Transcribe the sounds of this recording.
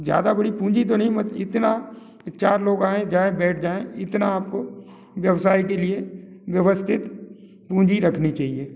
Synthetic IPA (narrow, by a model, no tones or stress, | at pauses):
zja̰ːd̪abɐɽipũːd͡ʒit̪onəɦĩmət̪ɪt̪na | t͡ʃaːɾloːɡaːẽd͡ʒaːẽbɛːʈʰd͡ʒaːẽɪt̪naːp̚ko | ʋjɐwsaːikelieʋjəʋəst̪ʰɪt̪ | pũːd͡ʒiɾɐkʰnit͡ʃaːɦieː